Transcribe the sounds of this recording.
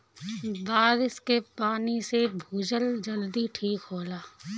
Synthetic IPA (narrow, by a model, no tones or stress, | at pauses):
baːd̪ɪskepaːnisebʱuːd͡ʒəld͡ʒəld̪iʈʰiːkɦoːlaː